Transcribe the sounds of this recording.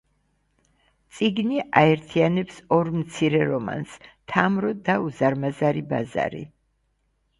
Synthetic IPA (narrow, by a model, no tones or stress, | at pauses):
t̪sʼiɡniʔaɛɾt̪ʰianɛpsɔɾmt̪sʰiɾɛɾɔma̰nst̪ʰamɾɔd̪auzaɾmazaɾibaza̰ɾḭ